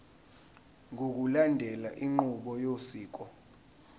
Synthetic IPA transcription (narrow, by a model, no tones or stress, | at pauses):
ŋʱok̬ulandʱɛlaʔiŋ͡ǃuɓɔjosiːk̬ʼɔ